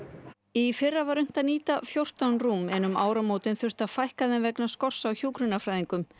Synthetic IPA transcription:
ifɪrːavaɾʏm̥t̪aniːt̪afjowr̥t̪anruːmɛːnʏma̰ːwɾamoːwt̪ɪnθʏr̥t̪afajhkaðɪnvɛknaskɔr̥sawçuːkɾʏnːafɾajðiŋkʏm

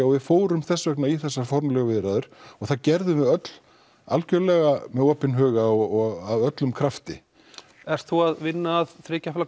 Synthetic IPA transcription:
ɔɣvɪfoːwɾʏmθɛsːvɛknaiθɛsːaɾ̥fɔɾmlɛɣʏvɪðɾaðʏɾ̥ɔɣθaðcɛɾðʏmɛðœt̪l̥ | a̰lcœɾlɛɣamɛðɔːpɪnɦœːɣaɔɔɣavœt̪lʏmkʰɾaft̪ɪ̰ | ɛɾ̥t̪θuaðvɪnːaːðθɾɪːcafla

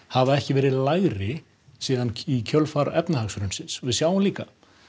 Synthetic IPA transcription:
havaɛhcɪvɛːɾɪðlaɣɾɪ | siːðanicʰœlfaɾɛpnahaksɾʏnsɪnsvɪðsjawanliːka

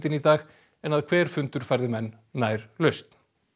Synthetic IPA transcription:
t̪ɪnit̪aːɣ | ɛnaðkʰvɛːɾ̥fʏnt̪ʏɾ̥fajɾðɪmɛnːaːjɾ̥lœɥst̪n̥

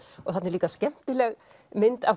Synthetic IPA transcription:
ɔɣθat̪nɛɾliːkascɛm̥t̪ɪlɛɣ | mɪnt̪av

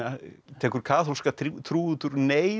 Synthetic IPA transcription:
at̪ʰɛːkʏɾ̥kʰaːθolskat̪ʰt̪ʰɾuːʏt̪ʏɾneː

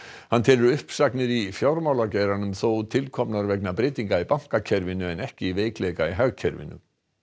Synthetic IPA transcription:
hant̪ʰɛːlʏɾʏhpsaknɪɾifjawɾmawlacɛjɾanʏmθoːwt̪ʰɪlkʰɔpnaɾvɛknapɾɪːt̪iŋkaipaŋ̥kacʰɛɾvɪnʏɛnɛhcɪiveːjkleːjkaiɦaɣcʰɛɾvɪ̰nːʏ̰

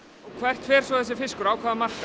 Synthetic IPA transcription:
kʰvɛr̥t̪fɛːɾ̥svɔðɛs̬ɪfɪskʏɾaːwkʰaːðamar̥ka

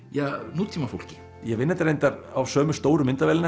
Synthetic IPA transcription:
januːt̪ʰimafowl̥cɪ̥ | jɛɣvɪnːɛt̪aɾejnt̪aɾawsœːmʏst̪oːwɾʏmɪnt̪avɛːlɪna

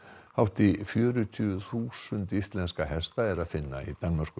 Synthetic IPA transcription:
hawht̪ɪfjœːɾʏt̪ʰyːʏθuːsʏnt̪ist̪lɛnskaɦɛst̪aɛɾaðfɪnːa̰ḭt̪anːmar̥kʏ

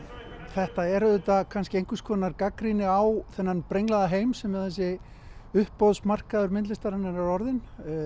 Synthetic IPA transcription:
θɛht̪aɛɾʏt̪akʰanscɪejŋkʏskʰɔnaɾkakɾinɪawθɛnːanpɾejŋlaðaɦeːjmsɛmːɛðθɛs̬ːɪ | ʏhpːoðsmar̥kaðʏɾmɪnt̪ɪst̪aɾanːaɾaɾɔɾðɪn

